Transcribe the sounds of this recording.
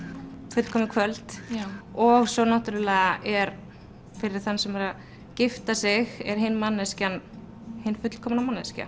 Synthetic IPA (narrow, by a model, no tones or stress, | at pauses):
fʏt̪l̥kʰɔːmɪkʰvœlt̪ | ɔɣsɔnaht̪ʏɾʏlɛːɣaʔɛɾ | fɪɾɪ̥θanːsɛmvaɾa | cɪft̪asɪɣɛɾ̥ɦɪnːmanːɛscan | hɪnːfʏt̪l̥kʰɔːmanamanːɛsca̰